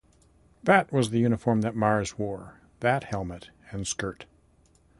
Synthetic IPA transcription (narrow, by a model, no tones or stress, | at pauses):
ðɨtwʌzðɨjʉñəfɔɹmðɨt̚mɑɹzwɔɹ | ðɨt̚hɛlˠmɨɾ | ɨ̃nskɜ˞t